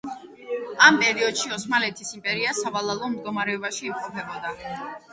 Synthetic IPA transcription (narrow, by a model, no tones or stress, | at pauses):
ampʼɛɾiɔd̪̥ʃiɔsmalɛt̪ʰisimpʼɛɾiasavalˠalˠɔmd̪ɡɔmaɾɛɔbaʃiːmqʼɔpʰɛbɔd̪a